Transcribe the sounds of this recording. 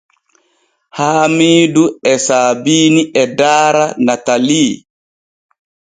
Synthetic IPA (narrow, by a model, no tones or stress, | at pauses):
haːmiːduɛsaːbiːniʔɛdaːɾanataliː